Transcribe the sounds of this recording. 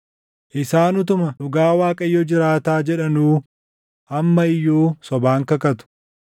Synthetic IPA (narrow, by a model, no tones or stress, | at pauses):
ʔɪsaːnʊt̪̬ʊmɐᶑʊɡaːwaːkʼɐjːɔd͡ʒɪɾaːt̪aːd͡ʒɛᶑɐnuː | ʔɐmːɐɪjːoːsɔbaːŋkɐkɐt̪ʊ̥